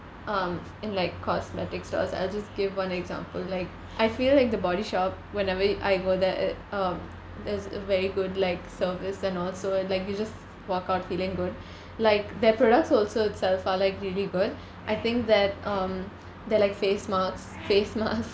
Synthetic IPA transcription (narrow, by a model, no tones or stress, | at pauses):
ʔʌm | ɪ̃nlaɪkʰːɔsmɛʈɪkstɔ̰ːsa̰ɪld͡ʒʌstɡ̥ɪʋʋʌ̃nɛɡzã̰ːmpəllaɪk | ʔaɪfiːlːaɪk̚d̪əbɔɾiʃɔːp̚ | ʋɛ̃nɛʋəʔa̰ɪɡoːd̪ɛʌm | d̪ɛzəʋɛɾiɡʊɖlaɪksəːɾʋɪsɛ̃nɔːlsoːlaɪkjud͡ʒʌst | ʋɔːkaʊʈfiːlɪ̃ŋɡʊɖ̚ | laɪkd̪ɛɾpɾɔːɖək̚ʈsɔːlsoːɪtsɛlfaːɾlaɪkɾiəliɡʊɖ | ʔaɪt̪ɪ̃ŋk̚d̪æʈ̚ʌ̃m | d̪əlaɪkfeːsmaːks | feːsma̰s